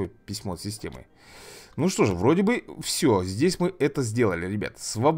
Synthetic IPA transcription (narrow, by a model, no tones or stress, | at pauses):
ojpʲɪsʲmo̞sʲɪsʲtʲḛmɨ̰ | nuʂt̪o̞ʐɨvɾo̞dʲɪbɨfsʲozʲdʲesʲmɨɛt̪əzʲdʲe̞lˠəlʲɪɾʲɪbʲa̰t̪svɐb